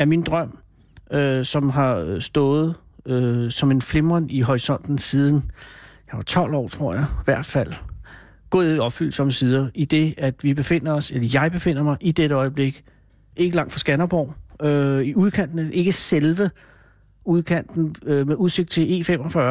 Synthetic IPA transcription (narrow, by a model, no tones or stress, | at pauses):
æɐmind̥ʁɶm̰ | øsɒ̽mɦɑ̈sd̥ɔːð̞̩ˠ | øsɒ̽me̝nfle̝mɐniɦɒʁisɒ̽n̰d̥n̩siːð̞ˠn̩jɑɪʋɑ̈t͡sʰɒ̽l̰ɒ̰ːt͡sʰʁo̝ɐ̰jɑ̈ɪʋæɐ̰d̥fæl̰ | ɡ̥ɔ̽ːðˠiɒ̽b̥fyl̰sɒ̽məsið̞ˠɐʔid̥e̝æd̥ʋib̥e̝fe̝n̰ɐɒ̽selɐjɑ̈ɪb̥e̝fe̝n̰ɐmɑ̈ɪʔid̥eɾəɒ̽ɪb̥le̝ɡ̥ | e̝ɡ̥əlɑ̈ŋ̰d̥fʁɒsɡ̥ænɐb̥ɒʊ̰øiuð̞ˠkʰæn̰d̥nəʔe̝ɡ̥əselʋə | uð̞ˠkʰæn̰d̥n̩ømeuðˠse̝ɡ̥̚d̥̚t͡sʰe̝le̝̰fem̰ɒfɶɐ